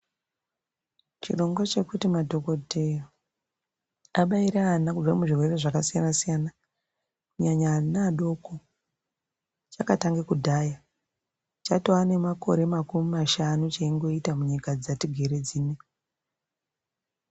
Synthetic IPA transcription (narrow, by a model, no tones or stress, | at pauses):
t͡ʃḭro̞ŋɡwat͡ʃe̞kutimadʱo̞ko̞tʰeo | aɓaiɾaːnakub͡vamuʐirwe̞reʐakasijanasijana | kuɲaɲanaɗo̞ko | t͡ʃakataŋɡekudʱaːja | t͡ʃatoane̞mako̞̰ɾe̞makumimaʃanut͡ʃaiŋɡo̞itamuɲikad͡zatiɡʱe̞ɾe̞d͡ziːne